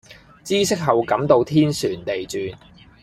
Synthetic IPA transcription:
t͡siː˥sɪ˥k̚ɦɐ˨wkɐ˨˥mt̪o˧wt̪ʰiː˥nsyː˨˩nt̪e˨jt͡syː˨n

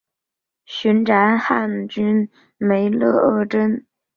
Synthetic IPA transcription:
ɕy˧˥nʈ͡ʂa˧˥nxa˥˩nt͡ɕy˥n | me˧˥ɪlɤ˥˧ə˥˩ʈ͡ʂə˥n

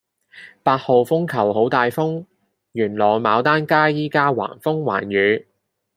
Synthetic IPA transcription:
paː˧t̚ho˨wfʊ˥ŋkʰɐ˨˩who˨˥wt̪aː˨˧jfʊ˥ŋ | jyː˨˩nlɔː˨˩jmaː˨˧wt̪aː˥nkaː˥jiː˥kaː˥wa̰ː˨˩nfʊ˥ŋwa̰ː˨˩njyː˨˧

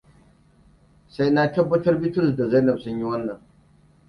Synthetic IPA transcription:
sa˦jna˦tɐ˦bːɐ˦tɐ˦rbɪ˦tʊ˦˨sda˨za˦jnɐ˨bsʊ˦ɲji˦wɐ˦nːɐ˨ŋ

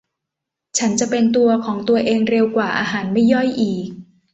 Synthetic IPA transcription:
t͡ɕʰa˦˥nt͡ɕa˨˩pe˧nt̪̬u˧ɐkʰɔː˩˦ŋt̪u˧ɐʔeː˧ŋɾe˧wkwaː˨˩ʔaː˧ɦaː˩˦nma˥˩jːɔ˥˩jʔiː˨˩k̚

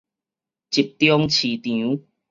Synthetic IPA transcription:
t͡ɕi˨˩p̚t̪jɔ˦ŋt͡ɕʰi˨˩t̪ĩ˨u˦

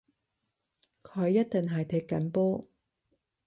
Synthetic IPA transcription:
kʰɵ˨˧ɥjːɐ˥t̚t̪ɪ˨ŋɦɐ˨jt̪ʰɪ˨˥kːɐ˨˥npɔː˥

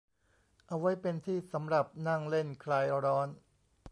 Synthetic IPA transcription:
ʔa˧wa˦˥jpe˧nt̪ʰiː˥˩sa˩˦mɾa˨˩p̚na˥˩ŋle˥˩nkʰlaː˧jɾɔː˦˥n

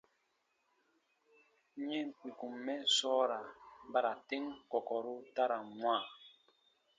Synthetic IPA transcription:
ɲɛ˦ŋ̩˨k͡pi˨ku˨mːɛ˦sɔ˦ɾa˨˦ba˦ɾa˨te˦ŋkɔ˨kɔ˨ɾu˦ta˦ɾa˨mwa˦˨

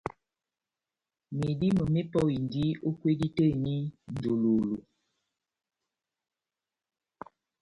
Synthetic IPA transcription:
mi˨di˦mə˨me˦pɔ˦i˨ndi˦o˦kwe˦di˦te˦˨ni˦n̩˨do˨lo˨lo˨

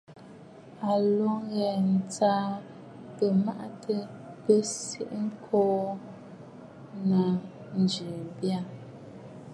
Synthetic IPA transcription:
a˨lɔ˦ŋɣɛ˨n̩˨t͡saː˦ | pə˨ma̰˦ʔtʰə˦pə˦sḭ˦ʔŋ̩˦kʰɔː˦ | na˨ | n̩˨d͡ʒʉ˨bja˦˨

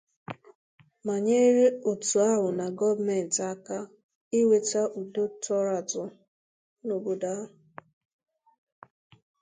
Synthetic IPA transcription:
ma˨ɲe˦ɾe˦o˨tu˨a˦ɦʊ˨na˨ɡɔ˦vme˨n̩˨ta˨ka˦ | i˦we˨ta˦ʔu˨do˦tɔ˦ɾa˨tʊ˨ | no˨bo˨da˦˨

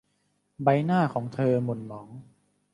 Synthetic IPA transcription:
ba˧jnaː˥˩kʰɔː˩˦ŋt̪ʰɤː˧mo˨˩nmɔː˩˦ŋ

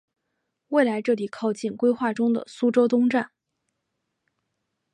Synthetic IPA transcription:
we˥˩ɪla˧˥ɪʈ͡ʂɤ˥˩li˨˩kʰɑ˥˧ʊt͡ɕi˥˩nkwe˥ɪxwa˥˩ʈ͡ʂʊ˥ŋd̪ə̰˨su˥ʈ͡ʂo˥ʊt̪ʊ˥ŋʈ͡ʂa˥˩n

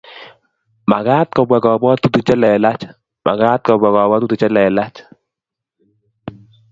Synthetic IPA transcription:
ma˨ɡaː˦t̪̚kɔ˨bwɛ˨kɔ˨bɔ˦t̪u˦t̪u˨t͡ʃɛ˦lɛ˨la˦t͡ʃ | ma̰˨ɡa˦t̪̚kɔ˨bwɛ˨kɔ˨bɔ˦t̪u˦t̪u˨t͡ʃɛ˦lɛ˨la˦t͡ʃ

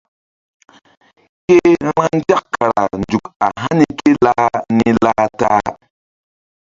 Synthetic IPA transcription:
ke˦ɾ̃ã˦n˦d͡ʒa˦kkːa˨ɾa̰˨nd͡ʒu˨ka̰˨ɦa˦ni˦ke˦la˦ni˦la˦taː˦

